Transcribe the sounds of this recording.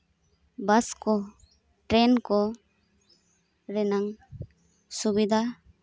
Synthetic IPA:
baskɔ | ʈɾɛnkɔ | ɾɛnaŋ | subid̪ʱa

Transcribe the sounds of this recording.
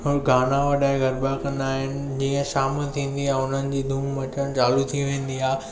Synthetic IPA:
ɦʊɡʱaːnaʋɐɗaːɪ̃ɡʱɐɾbakɐ̃nd̪aːɦɪnɪ̆d͡ʑiːə̃ʃaːmət̪ʰĩːnd̪iãːʊn̤ənɪ̆d͡ʑiːd̪ʱuːmːɐt͡ɕəɽ̃t͡ɕaːlut̪ʰiʋẽːn̆d̪iaː

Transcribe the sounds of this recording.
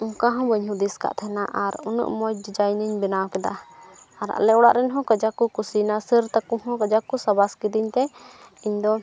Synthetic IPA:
ɔ̃kaɦɔ̃bəɲɦud̪iska̰ʔt̪ʰɛnaʔaɾunə̰ʔmɔj̚d͡ʒid͡ʒajniɲbinawkɛd̪aː | ɾa̰lɛɔɽa̰ʔɾɛnɦɔ̃kəd͡ʒakukusinasiɾt̪akuɦɔ̃kəd͡ʒakusabaskid̪iɲt̪ɛ | iɲd̪ɔ

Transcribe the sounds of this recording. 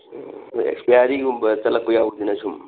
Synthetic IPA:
ḛkspijaɾiɡumbɐt͡ʃɐlɐk̚pujawd̪inɐsʰum

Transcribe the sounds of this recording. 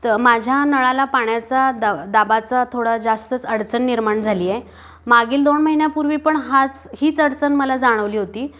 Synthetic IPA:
t̪əmad͡ʑʱjanəɭalapaɳjat͡sad̪ad̪abat͡sat̪ʰoɽad͡zast̪ət͡səɽt͡sənːiɾmaɳd͡zʱaliːje | maɡiːld̪onməɦinjapuɾʋiːpəɳɦat͡shiːt͡səɽt͡sənməlad͡zaɽ̃əʋliːɦot̪iː

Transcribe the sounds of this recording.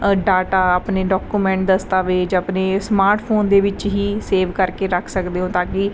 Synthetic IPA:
ɖaːʈaːaːpneːɖɔːkuːmɛ̃ːɳʈ̚d̪əst̪aːʋeːd͡ʒəpneːsmaːɾʈpʰoːnd̪eːʋɪt͡ʃɦiːseːʋkəɾkeːɾəkʰsəkd̪eːɦõːt̪ãːkɪ

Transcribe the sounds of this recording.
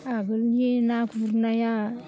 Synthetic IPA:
aɡəljenakuuɾnaja

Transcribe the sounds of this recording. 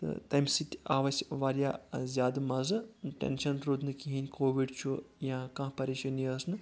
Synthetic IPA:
t̪ɨ̰t̪ɐmsit̪ʲaːʋɐsʲʋaːɾʲjaːzʲjaːd̪mɐzɨʈʲḛnʃɐnɾud̪nɨkiɦinʲkoːʋiɖt͡ʃʰujãːkãːpɐɾiːʃɐniɐsnɨ

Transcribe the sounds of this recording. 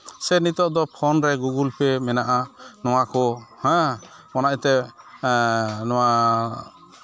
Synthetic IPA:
sɛnit̪ɔʔd̪ɔpʰɔnɾɛɡuɡulpɛmɛnaʔanɔwakɔhɛ̃mɔnaʔt̪ɛ | nɔ̃wa

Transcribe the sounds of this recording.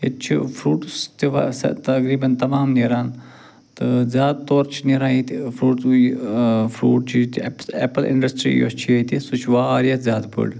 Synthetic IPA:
ḛt͡ʃʰḭfʰɾuːʈst̪iʋa̰sɐ̰t̪ɐkɾiːbɐnt̪ɐmaːmneɾaːn | t̪ɨzʲjaːd̪̚t̪oːɾt͡ʃʰiniɾãːit̪fʰɾuːʈs | fʰɾuːʈ̚t͡ʃʰit̪ːpeːpəlʔɪ̰̃ɳɖɐsʈɾḭːjo̰t͡ʃʰiɐt̪isut͡ʃʰʋaːɾjɐt̪zʲjaːd̪pə̰ɖ

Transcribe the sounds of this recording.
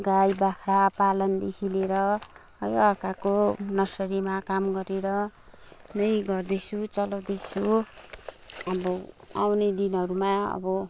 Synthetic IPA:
ɡajbakʰɽapalʌnd̪ekʰileɾʌ | ʌjʌkakonʌsʌɾimakamɡʌɾeɾʌ | nʌjɡʌrd̪et͡sʰut͡sʌlʌwd̪et͡sʰu | ʌbʌ | awned̪inɦʌɾumaʌ̰bʌ

